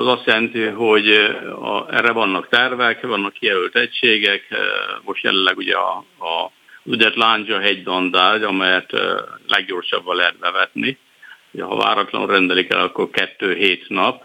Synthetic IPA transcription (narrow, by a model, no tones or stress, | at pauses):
ɒzɒst̪jɛlɛnt̪iɦo̞ɟɒ̰ɛ̰rːɛvɒnːɒkt̪ɛrvɛkvɒnːɒkːijɛlylt̪ɛcʃeːɡɛkmo̞ʃt̪jɛ̰lɛlːɛɡuɟɛ̰ɒ̰ː | zyd̪ɛt̪laːnd͡ʒɒɦɛɟd̪ɒnd̪aːdɒmɛjɛt̪lʔɛɡɟo̞rʃɒbːɒlɛɦɛt̪bɛvɛt̪ni | oɟɛɦɒ̰va̰ːɾɒt̪lɒ̰no̰rɛnd̪ɛlikɛ̰lɒkːo̞rkɛt̪ːøːɦeːt̪nɒp